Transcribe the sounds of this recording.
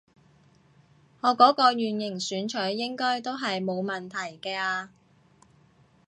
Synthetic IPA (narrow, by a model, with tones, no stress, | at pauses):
ŋɔː˨˧kɔː˨˥kɔː˧jyː˨njɪ˨˩ŋsyː˨˧nt͡ʃʰɵ˨˥ɥːɪ˥ŋkɔː˥jt̪o˥wɦɐ˨jmo˨˧wmɐ˨nt̪ʰɐ˨˩jkɛː˧aː˧